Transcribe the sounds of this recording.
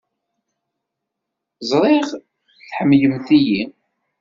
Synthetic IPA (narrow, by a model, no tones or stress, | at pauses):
zˤɾˤɪʁ | θħəmːjəmθiji